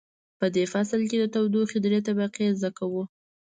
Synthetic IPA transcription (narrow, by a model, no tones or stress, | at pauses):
pəd̪efaslked̪ət̪awd̪uxed̪ɾet̪abaqezd̪akawu